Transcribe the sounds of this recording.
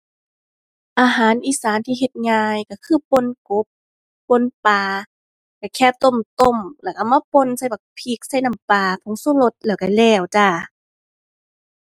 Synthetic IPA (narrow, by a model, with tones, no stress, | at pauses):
ʔaː˧ɦaː˨˦nʔiː˧˨saː˨˦nt̪ʰiː˧ɦe˧˩t̪̚ŋaː˧jka˧˩kʰɯː˧˨po˧˥˨nko˧˦p̚ː | o˧˥˨npaː˧ | ka˧˩kʰɛː˧˩˨p̚t̪o˧˨mt̪o˧˨mlɛː˧˩ka˧˩maː˧˨po˧˨nsa˧˩˨jba˨˩k̚pʰi˧˦k̚sa˧˩˨jna˧˩mpaː˧pʰo˧˦ŋsuː˧˥˨lo˧˦t̪̚lɛː˧˩wka˧˩lɛː˧˩wt͡ɕaː˧˩